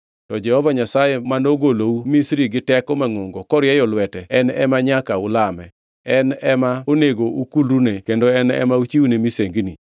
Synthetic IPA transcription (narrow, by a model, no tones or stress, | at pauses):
tɔd͡ʒɛhɔvaɲasajemanoɡoloumisɾiɡɪtɛkɔmaŋʊŋɡɔkɔɾɪjɛjɔlwɛtɛɛnɛ̰maɲakaʊlamɛ | ɛnɛmaoneɡoukulɾunekendoɛnɛ̰maut͡ʃiwunemiseŋɡni